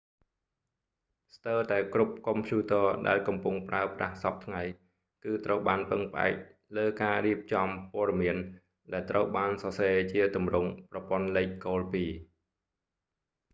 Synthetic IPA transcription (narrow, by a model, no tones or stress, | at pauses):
st̪əːwt̪aɛkrup̚kompʰjuːt̪əːɗa̰ɛlkɑmpuŋpraəpra̰hsɑp̚t̪ʰŋaj | kɨːt̪rəwɓaːnpəŋpəʔa̰ɛk̚ | ləːkaːriəp̚t͡ɕɑmpoəɗɑmiən | ɗaɛlt̪rəwɓaːnsɑseːt͡ɕiət̪umrʊŋprɑpŏənlɛːc̚koːlpiː